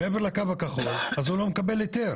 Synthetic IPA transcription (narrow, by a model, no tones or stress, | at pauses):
meeveʁlakavakaχolazulo̞mekabe̞let̪e̞ʁ